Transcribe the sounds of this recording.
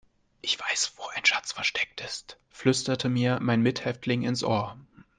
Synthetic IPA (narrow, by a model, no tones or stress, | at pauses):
ʔɪçv̥aɪsv̥oːʔaɪnʃat͡sfɛɐʃtɛk̚tɪst | flʏstɐtʰəmiːɐmaɪnmɪthɛftʰlɪŋɪnsʔoːɐ